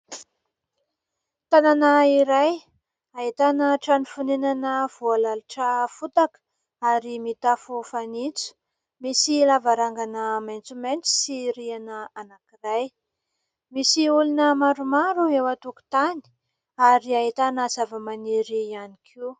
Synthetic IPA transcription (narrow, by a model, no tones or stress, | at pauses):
t̪ananaiɾaj | ait̪anəʈ͡ʂanifunenanəv̥ualaluʈ͡ʂəfut̪akə̥ | aɾimit̪afufanit͡su̥ | misilavaɾaŋɡanəmajnt͡sument͡si̥siɾianəanakiraj | misiulunəmaɾumaɾuewat̪uku̥t̪ani̥ | aɾiait̪anəz̥avəmaniɾianikʰiw